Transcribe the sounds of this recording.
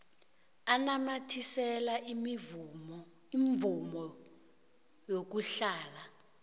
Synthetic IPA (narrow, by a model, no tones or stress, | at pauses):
anamatʰisɛlaʔ | iɱvumɔ | jok̬uɬaːla